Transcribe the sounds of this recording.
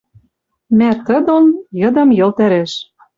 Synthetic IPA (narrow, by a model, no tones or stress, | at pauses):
mæt̪ɤ̆d̪onjɤ̆d̪ɤ̆mjɤ̆lt̪æɾeʃ